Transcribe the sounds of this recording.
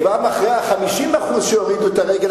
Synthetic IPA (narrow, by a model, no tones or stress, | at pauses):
bamaχʁejaχamiʃimaχusʃeoʁid̪uet̪aʁeɡel